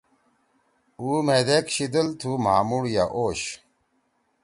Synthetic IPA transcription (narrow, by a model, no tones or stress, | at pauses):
uːmed̪ekɕid̪əlt̪ʰumaːmuɽjaʔoːɕ